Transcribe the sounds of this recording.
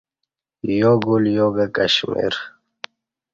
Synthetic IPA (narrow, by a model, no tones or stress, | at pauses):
joːɡuljoːɡəkɐɕmḭɾ